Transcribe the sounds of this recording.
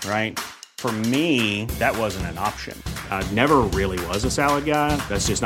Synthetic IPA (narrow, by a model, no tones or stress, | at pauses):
ɹaɪt̚ | fə˞miðɨt̚wʌzɨ̃n̩tɨ̃nɑpʃɨ̰̃nnɛvə˞ɹɪlˠiwʌzɨsælˠəd̚ɡaɪðætsd̥ʒ̥ʌsn